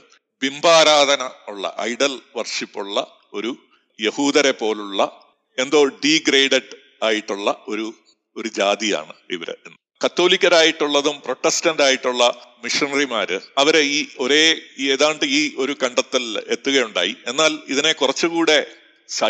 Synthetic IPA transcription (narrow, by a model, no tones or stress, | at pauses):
bimbʱaːɾaːd̪ʱɐnɐuɭːɐ̰ʔɐ̰jɖɐlʋɐrʂipːuɭːɐ | o̞ɾu | je̞huːðɐɾepːo̞ːluɭːɐ | e̞nd̪o̞ːɖiːɡreːɖeɖ | aːjiʈːuɭːɐo̞ɾu | o̞ɾud͡ʑaːd̪ija̰ːɳɨḭʋɐ̰ɾ̰enːɨ | kɐt̪ːo̞ːlikʲːɐɾaːjiʈːuɭːɐðumpro̞ʈːestɐnɖaːjiʈːuɭːɐmiʂɐnɐrimaːɾɨɐʋɐɾeiːo̞ɾe̞ːeːðaːɳɖɨiːʔo̞ɾukɐɳɖɐt̪ːilet̪ːuɣɐjuɳɖa̰ːjie̞nːaːliðine̞kurɐt͡ɕːɨkuːɽe̞ | sɐ